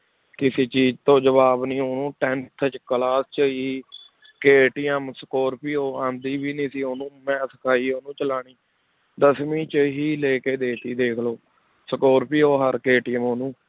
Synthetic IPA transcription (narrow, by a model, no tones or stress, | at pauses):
kɪseːt͡ʃiːd͡ʒt̪õːd͡ʒəʋaːbnĩːoːnũːʈɛːnt̪ʰət͡ʃkəlaːst͡ʃəiː | keːʈijəmsəkoːɾpiːoːãːnd̪iːbiːniːsiːoːnũːmɛ̃ːsəkʰaːiːoːnũːt͡ʃəlaːɳ̃iː | d̪əsmĩːt͡ʃɦiːleːkeːd̪eːt̪iːd̪eːkʰloː | səkoːɾpiːoːɦəɾkeːʈɪːəmoːnũː